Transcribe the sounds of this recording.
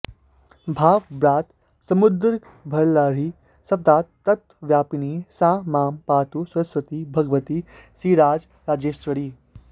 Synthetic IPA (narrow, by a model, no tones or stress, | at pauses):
bʱaːʋbɾaːt̪ | sɐmud̪ɾik | bʱɐɭlaːɾ̤i | sɐp̚d̪aːt̪ːɐt̪wəʋjaːpiniːsãːmaːmpaːt̪uswɐsʋɐt̪ibʱɐɡʋət̪isiːɾaːd͡ʒ | ɾaːd͡ʒeːʃt͡ʃʋəɽiː